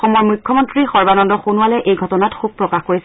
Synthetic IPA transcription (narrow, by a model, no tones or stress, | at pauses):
xɔmɔɹmukʰːɔmɔntɹixɔɹbanɔndɔxunuwalɛʔejɡʱɔtɔnatxub̚pɹɔkaxkoɹisɛ